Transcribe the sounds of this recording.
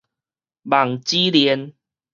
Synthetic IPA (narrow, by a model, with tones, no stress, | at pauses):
ba˨˩ŋt͡ɕi˦liɛ˧˦n